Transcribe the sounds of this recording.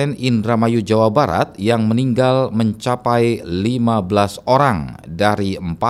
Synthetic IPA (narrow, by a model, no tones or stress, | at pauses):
ɛnindɾamajud͡ʒawabaɾa̰t̪̚jaŋməniŋɡalməɲt͡ʃapajlimabəlasoɾaŋdaɾiəmpa